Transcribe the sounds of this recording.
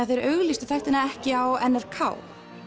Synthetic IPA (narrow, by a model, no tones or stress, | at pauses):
aθejɾœɣlist̪ʏ̥θajht̪ɪnaɛhcɪawɛnːaɾ̥kʰa̰ːw